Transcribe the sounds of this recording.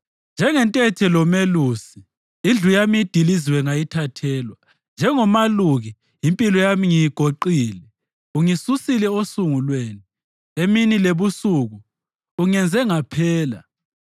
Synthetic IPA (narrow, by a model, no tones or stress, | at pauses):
nd͡ʒʱɛŋɛntʼɛtʰɛlɔmelusi | ind͡ɮʱujamiid̥ʱiliziwɛŋajitʰatʰɛːlwa | nd͡ʒʱɛŋɔmaluɣi | impʼilɔjamiŋijiɡ̥ʱoǃiːlɛ | uŋisusilɛosuŋulweːni | eminileβusuɣuː | ŋɛnd͡zʱɛŋapʰɛːla̰